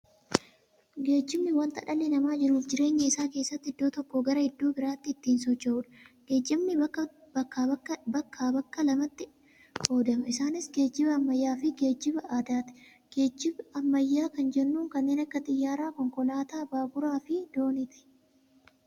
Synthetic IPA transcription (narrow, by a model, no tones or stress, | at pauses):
ɡe̞ːd͡ʒːɪmnɪwɐnt̪ɐᶑɐlɪnɐmaːd͡ʒɪɾuːfd͡ʒɪɾe̞ːɲːɐɪsaːke̞ːsːɐt̪ːɪd̪ːoːt̪ɔkːɔɡɐɾɐhɪd̪ːuːbɪɾaːt̪ːɪt̪ːiːnsɔt͡ʃːɐuːᶑɐ̥ɡ̥e̞ːd͡ʒːɪmnɪ | ɐkːaːbɐkːaːbɐkːɐlɐmɐt̪ːɪ | o̞ːd̪ɐmɐɪsaːnɪsɡe̞ːd͡ʒːɪbɐːmːɐjːaːfɪɡe̞ːd͡ʒːɪbɐaːd̪aːt̪ɪ̥ | ɡ̥e̞ːd͡ʒːɪbɐɐmːɐjːaːkɐnd͡ʒɛnːuːŋkɐnːeːnɐkːɐt̪ʼɪjːaːɾaːkɔŋkɔlaːt̪aːbaːɡʊɾaːfɪd̪o̞ːnɪt̪ɪ̥